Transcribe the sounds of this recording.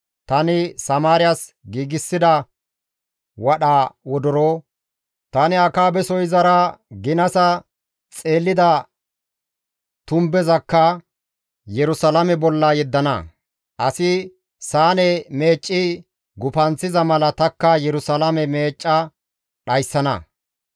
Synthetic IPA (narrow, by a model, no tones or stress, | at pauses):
t̪ɐnɪsɐmaːɾɪjɐsɡiːɡɪsːɪd̪ɐ | wɐɗaːwɔd̪ɔɾoː | t̪ɐnɪɐkaːbɛsɔjzɐɾɐɡɪnɐsɐ | t͡sʼe̞ːlːɪd̪ɐ | t̪ʊmbɛzɐkːɐ | jɛɾʊsɐlɐmɛbɔlːɐjɛd̪ːɐnɐ̰ | ʔɐsɪ | saːnɛme̞ːt͡ʃʼːɪ | ɡʊpɐnt͡sːɪzɐmɐlɐt̪ɐkːɐjɛɾʊsalɐmɛme̞ːt͡ʃʼːɐ | ɗɐjsːɐnɐ̰